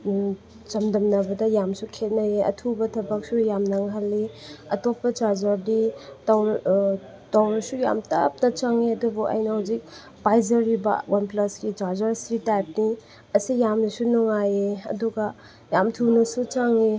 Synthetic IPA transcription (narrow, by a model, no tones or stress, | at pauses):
t͡ʃɐmdɐmnɐbɐdɐjamsukʰet̚najeʔɐ̰tʰubɐtʰɐbɐk̚sujamnɐŋɦalːiɐtop̚ːɐt͡ʃaɾzɐɾditaw | tawɾɐsuja̰mtɐ̰p̚nɐt͡ʃaŋeɐdubuʔɐ̰jnɐhawzik̚ | bajzɐɾibɐ̰wanplɐsɡit͡ʃaɾzaɾsɾitajp̚ni | ɐsijamnisunɔŋajeɐ̰duɡɐ | jamtʰunɐsut͡ʃaŋe